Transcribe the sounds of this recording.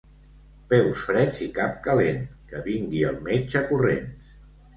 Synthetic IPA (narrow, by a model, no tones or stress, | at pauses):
pɛlˠsfɾɛzikap̚kəlenkəβiŋɡiəlˠmed͡ʒəkurḛns